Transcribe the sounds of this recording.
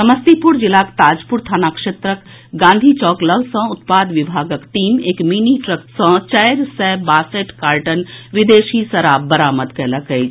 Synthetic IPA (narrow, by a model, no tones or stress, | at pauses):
sɐməst̪ipuɾd͡ʒɪlaːkt̪aːd͡ʒpʊɾt̪ʰaːnaːkʃeːt̪ɾək | ɡãːnd̪ʱit͡ʃɔːkləlsə̃ʊt̪̚paːd̪ʋibʱaːɡəkʈiːmeːkminiʈɾək̚sə̃t͡ʃɐjɾsɛbaːseʈkaːɾʈənʋɪd̪eːʃisɐɾaːbbəɾaːmət̪kɛɦləkəj